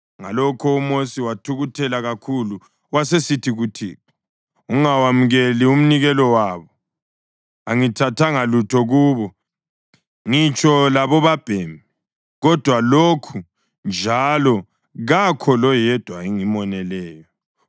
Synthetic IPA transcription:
ŋalɔkʰɔumosiwatʰuɣutʰɛlaɣakʰulu | wasesitʰiɣutʰḭːkɔ̥ | uŋawamuɣelium̩niɣɛlɔwaːβɔ | aŋitʰatʰaŋalutʰɔɣuːβɔ | ŋit͡ʃʰʼɔlaβɔβab̥ʱeːmi | ɣɔd̥ʱwalokʰu | nd͡ʒʱalɔ | ɣakʰɔlɔjɛd̥ʱwaiŋimɔnɛlɛːjɔ

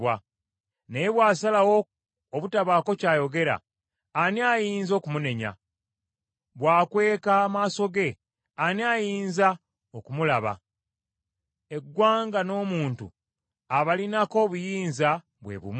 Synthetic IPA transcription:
wa | nejeβwaːsalawo | oβutaβaːko̞caːjo̞ɡe̞ɾa̰ː | niaːjiːnzo̞ːkumune̞ɲa̰ | βwaːkwe̞ːkaːmaːso̞ɡe̞ | aniajiːnza | okumulaβa̰ | e̞ɡːwaːŋɡano̞ːmuːntṵ | aβalinako̞ːβujiːnza | βwe̞̰βṵm

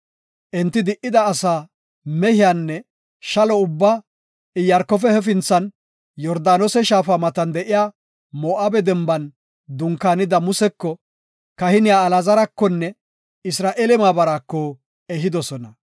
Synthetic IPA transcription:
ʔɛnt̪ːɪd̪ɪʔːɪd̪ɐːsaː | mɛhɪjaːnːɛ | ʃɐlɔʊbːaː | ɪjɐɾkːɔf̬ɛhɛfɪnt͡sːɐn | jɔɾd̪aːnɔsɛʃaːfamɐt̪ɐnd̪ɛʔɪjaː | moːʔaːbɛd̪ɛmbɐn | d̪ʊŋkːaːnɪd̪ɐmʊsɛkːɔ | kɐhɪnɪjaːlazɐɾɐkːɔnːɛ | ɪsɾaːʔeːlɛmaːbɐɾakːɔ | ɛɦɪd̪ɔsɔnɐ

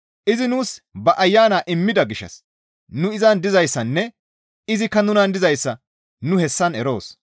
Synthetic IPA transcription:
ʔɪzɪnuːsbɐʔɐjːaːnaːʔɪmːɪd̪ɐɡɪʃɐ̰s | nʊɪzɐnd̪ɪzɐjsːɐnːɛ | ɪzɪkːɐnʊnɐnd̪ɪzɐjsːɐ | nʊhɛsːɐnɛɾo̞̰ːs

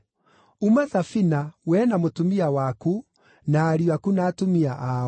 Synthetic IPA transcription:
umaðafinawɛnamotumiawaku | naːɾiakunaːtomiaʔa

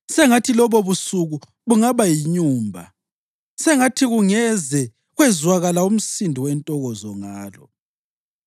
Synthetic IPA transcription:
sɛŋatʰilɔβɔβusuɣu | βuŋaβajiɲuːmbʱa̰ | sɛŋatʰiɣuŋɛzɛ | ɣwɛzwaɣalaum̩sindʱiwɛntʼɔɣɔzɔŋaːlɔ̰

